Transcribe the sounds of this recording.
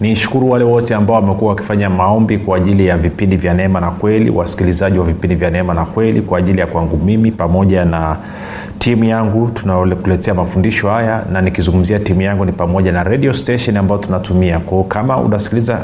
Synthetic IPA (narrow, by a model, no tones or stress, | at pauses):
niʃu̥kuɾuwalɛwɔtɛambaɔwamɛkuwawaki̥faɲamaɔmbikwaːʄilijavipindivjanɛɛmanakwɛlḭwa̰si̥kilizaʄiwavipindivjanɛɛmanakwɛlḭkwaːʄilijakwaŋɡumimipamɔʄana | tʰimujaŋɡutunaɔkulɛtɛamafundiʃɔhajananikizũŋɡum̩ziatimujaŋɡunipamɔʄanaɾɛɗiɔstɛʃɛnambaɔtunatumiakɔɔkamaṵnasi̥kiliza